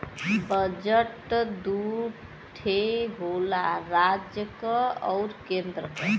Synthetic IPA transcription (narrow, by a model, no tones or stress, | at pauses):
bəd͡ʒəʈd̪uɾ | ʈʰeɦolaɾad͡ʒjəkəɔɾkend̪ɾəkə